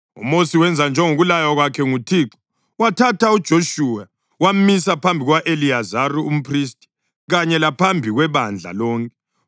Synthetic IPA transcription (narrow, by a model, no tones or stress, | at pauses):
ṵmosiwɛnd͡zʱand͡ʒʱɛŋoɣulajaɣwakʰɛŋutʰiːǁɔ̥ | watʰatʰaud̥ʒ̥ʱoʃuːa | wam̩misapʰambʱiɣwaʔeliazaruum̩pʰris̬tʼi̥ | ɣaɲɛlapʰambʱiɣwɛβand͡ɮʱa̰lɔːŋkʰʼɛ